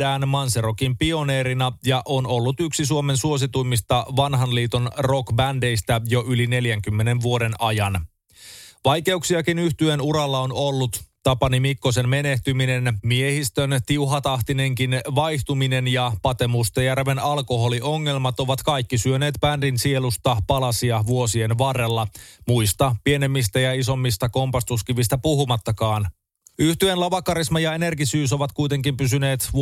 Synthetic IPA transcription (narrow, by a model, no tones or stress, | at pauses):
æːnmɑnserokimpio̞ne̞ːɾinɑjɑʔo̞no̞lːut̪yksisuo̞me̞nsuo̞s̬it̪ujmist̪ɑʋɑnɦɑnliːt̪onro̞kbænde̞jst̪æjo̞ʔyline̞ljæŋk̟ymːe̞ne̞nʋuo̞de̞nɑjɑn | ʋɑjke̞uksiɑkinyht̪yenuɾɑlːɑonolːut̪t̪ɑpɑnimikːo̞senme̞ne̞ht̪ymine̞nmiehist̪ønt̪iuɦɑt̪ɑht̪ine̞ŋkinʋɑjht̪umine̞njɑpɑt̪e̞must̪ejærʋe̞nɑlko̞ɦo̞lio̞ŋːe̞lmɑt̪o̞ʋɑt̪kɑjkːisyøne̞ːt̪pændinsie̞lust̪ɑpɑlɑsiɑʋuo̞sie̞nʋɑre̞lːɑmujst̪ɑpie̞ne̞mːist̪æjɑiso̞mːist̪ɑko̞mpɑst̪uskiʋist̪æpuɦumɑt̪ːɑkɑːn | yht̪ye̞nlɑʋɑkːɑɾismɑjɑene̞rkisyːso̞ʋɑt̪kujt̪e̞ŋkimpysyne̞ːt̪